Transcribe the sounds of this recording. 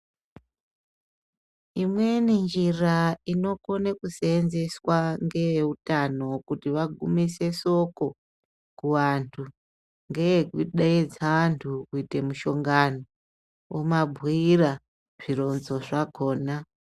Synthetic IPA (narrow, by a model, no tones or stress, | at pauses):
imwe̞nind͡ʒiraino̞ko̞nekuseːnze̞swaŋɡe̞ʋeutano̞kutiʋaɡʱumise̞so̞ko̞ | kuʋantʰu | ŋɡeeɡwiɗaed͡zaantʰukuite̞muʃo̞ŋɡano | womabʱwiira | ʐ̥iɾo̞nzo̞ʐaɡʱo̞ːna